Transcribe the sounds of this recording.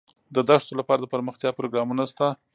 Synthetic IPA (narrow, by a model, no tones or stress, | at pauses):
d̪əd̪aʂt̪olapɑɾad̪əpaɾməxt̪jɑpɾoɡɾɑmunast̪a